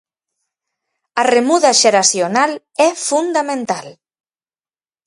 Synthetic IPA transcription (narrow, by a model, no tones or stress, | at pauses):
aremuðaʒeɾasjonal | ɛfund̪amẽnt̪al